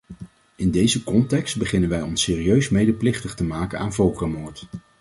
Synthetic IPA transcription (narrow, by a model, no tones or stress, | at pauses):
ɪndejzəkɔntɛkstbəχɪnənʋɛjɔnsɪːrijøɥsmejdəplɪχtəχtəmaːkənaːnvowˠkəmoːɹt